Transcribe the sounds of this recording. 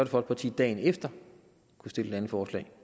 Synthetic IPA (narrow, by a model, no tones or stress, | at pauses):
øɐd̥əfɒ̽l̥̚pʰɑ̈t͡sʰḭːd̥ɛ̰ːɪnefd̥ɐ | kʰusd̥e̝ləd̥ænəfɒːslɛ̰ɪ